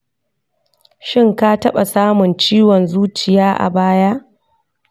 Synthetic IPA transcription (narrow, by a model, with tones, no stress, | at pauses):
ʃɪ˦ŋka˦tɐ˦ɓa˨saː˦mʊ˨nt͡ʃiː˦wɔ˨nzuː˦t͡ʃɪ˨jaː˦ʔa̰˨baː˦ja˦ʔ